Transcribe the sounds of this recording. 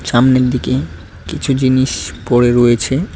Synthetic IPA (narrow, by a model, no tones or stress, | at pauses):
ʃamneɾd̪ike | kit͡ɕʰud͡ʑiniʃpoɽeɾoet͡ɕʰe